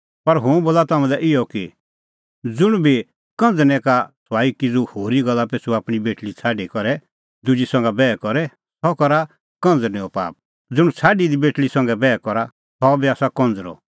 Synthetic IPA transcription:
pɐɾɦʊ̃boːlat̪aːmɛ̃d̪aʔɪjɔki | d͡zʊɽ̃bʱi | kɔ̃nd͡znɛ̃kat͡sʰwaːikid͡zuhoːɾiɡɐlːapeːsuaːpɽ̃ibeːʈlit͡sʰaːɖikɔɾɛ | d̪ʊd͡ʒisɐ̃ŋɡabɛːkɔɾɛ | t̪ʰɔkɔɾa | kɐ̃nd͡znɛ̃ɔpa̰ːp̚ | d͡zʊɽ̃t͡sʰaːɖid̪ibeːʈlisɐ̃ŋɡɛbɛːkɔɾa | t̪ɔbiaːsakɔ̃nd͡zɾɔ̰

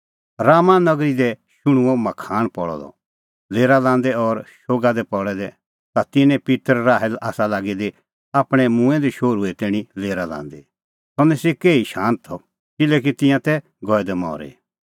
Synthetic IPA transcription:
ɾaːmãnɐɡɾid̪ɛʃʊɽ̃ʊ̃ɔmɐkʰaːɽ̃pɔɽɔ̰d̪ɔ̰ | leːɾalãːnd̪ɛɔɾʃoːɡad̪ɛpɔɽɛd̪ɛ | t̪at̪ɪnɛ̃pɪt̪əɾːaːɦɛlaːsalaːɡid̪e | aːpɽ̃ɛmũːɛ̃d̪iʃoːɾuɛt̪ɛːɽ̃ileːɾalã̰ːnd̪ɛ | t̪ɔnɛ̃sekeːiʃãːnt̪ʰːɔ | kɪlɛk̬it̪ɪ̃jãt̪ɛ | ɡɔːɛd̪ɛmɔ̰ːɾḛ

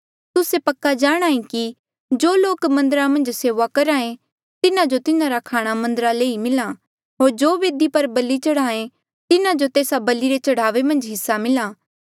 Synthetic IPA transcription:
t̪ʊsepɐkːad͡ʒaːɽ̃aːĩki | d͡ʒoːloːkmɐ̃nd̪əɾamɐ̃nd͡ʒseːʋakɐɾaːẽ | t̪ɪnãd͡ʒot̪ɪnãɾakʰaːɽ̃amɐ̃nd̪əɾaleːimɪla | ɦoːɾd͡ʒoːʋeːd̪ipɐɾbɐlːit͡ʃɐɽaːẽ | t̪ɪnãd͡ʒot̪eːsabɐlːiɾet͡ʃɐɽ̤aːʋemɐ̃nd͡ʒɦɪsːamɪlaː

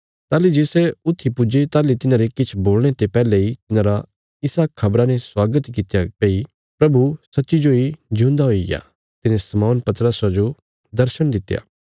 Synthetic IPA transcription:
t̪aːlid͡ʒeːsɛʊt̪ʰːipʊd͡ʒet̪aːlit̪ɪnãːɾekɪt͡ʃʰboːlɽ̃et̪epɛːleit̪ɪnãːɾa | ɪsakʰːɐbɾaneswaːɡət̪kɪt̪japeːi | pɾɐbusɐtːʃid͡ʒoid͡ʒʱũːnd̪aɦoːija̰ | t̪ɪnẽsɐmɔːnpɐt̪ɾəsad͡ʒo | d̪ɐɾʃəɽ̃d̪ɪt̪ːja̰ː

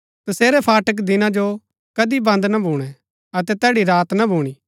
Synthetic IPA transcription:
t̪ɐseːɾɛpʰaːʈək̬d̪ɪnãd͡ʒo | kɐd̪ibɐ̃nd̪nɐbʱuːɽ̃ɛ | ɐt̪ɛt̪ɛːɽiɾaːt̪nɐbʱuːɽ̃iː

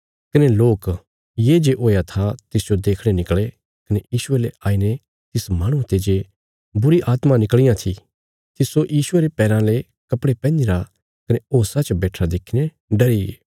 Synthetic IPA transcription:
kɐneloːk | jeːd͡ʒeʔoːjat̪ʰat̪ɪsd͡ʒod̪eːkʰɽ̃enɪkɭe | kɐnejiːʃʊeleʔaːine | t̪ɪsmaːɽ̃ũt̪eːd͡ʒe | bʊɾiʔaːt̪mãnɪkɭɪjãt̪ʰi | t̪ɪsojiːʃʊeɾepɛːɾãle | kɐpɽepɛ̃ːnd͡ʒɪɾa | kɐneoːsat͡ʃbeːʈʰad̪eːkʰine | ɖɐɾiɡeː

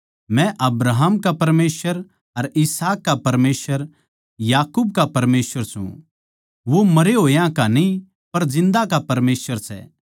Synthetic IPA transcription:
mɛ̃ʔɐbɾaːɦmkapɐɾmeːsʋəɾ | ɐɾɪsaːkːapɐɾmeːsʋəɾ | jaːkuːb̚kapɐɾmeːsʋəɾsṵ̃ | ʋomɐɾeɦoːjãkanĩ | pɐɾd͡ʒɪ̃nd̪akapɐɾmeːsʋəɾsɛ̰

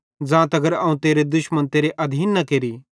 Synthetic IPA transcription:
d͡ʒãːt̪ɐɡəɾɐːũt̪eːɾed̪ʊʃmənt̪eːɾeʔɐd̪ʱiːnːɐkeːɾi

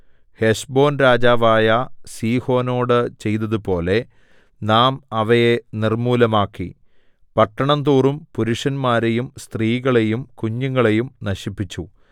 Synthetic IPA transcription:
heʂbo̞ːnɾaːd͡ʑaːʋaːjɐsiːho̞ːno̞ːɽɨt͡ɕe̞jt̪ɐðupo̞ːle̞ | naːmɐʋɐjenirmuːlɐmaːkːi | pɐʈːɐɳɐnt̪uːrumpuɾuʂɐnmaːɾe̞jumst̪riːɣɐɭe̞jumkuɲːuŋːɐɭe̞jumnɐɕipːit͡ɕːu

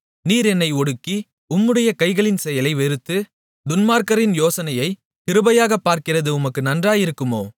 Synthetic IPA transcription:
niːɾɛnːɐɪɔɽɯkːi | ʊmːɯɽɐjɐkɐɪɣɐɭɪnsɛjɐlɐɪʋɛɾɯt̪ːɯ | d̪ʊnmaːɾkɐɾɪnjoːsɐnɐjɐɪ | kɪɾɯbɐjaːɣɐpːaːɾkɪrɐðɯʊmɐkːɯnɐndraːjɪɾɯkːɯmoː

